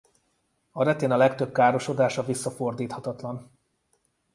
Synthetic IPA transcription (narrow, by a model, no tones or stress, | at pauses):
ɒɾɛt̪eːnɒlɛkt̪ø̞b̚kaːɾo̞ʃo̞d̪aːʃɒvisːɒfo̞rd̪iːt̪hɒt̪ɒt̪lɒn